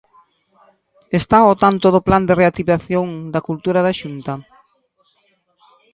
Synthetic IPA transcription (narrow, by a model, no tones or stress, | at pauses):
est̪aot̪ant̪oðʊpland̪ɪreat̪iβaθjoŋd̪akult̪uɾaðaʃunt̪ɐ